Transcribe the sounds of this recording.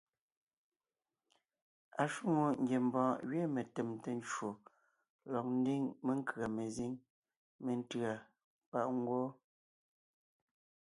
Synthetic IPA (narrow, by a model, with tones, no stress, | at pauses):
a˨ʃu˦ŋo˨ŋ̩˨ɡje˨m˨bɔ̃ː˨ɣɥe˦me˨te˨mte˦n˦t͡ʃwo˨ | lɔ˨k̚n̩˦di˦ŋme˦ŋ˦kɰa˨me˨zi˦ŋ | me˨n̩˦tɰa˨ | pa˦ʔŋ˦ɡwɔ˦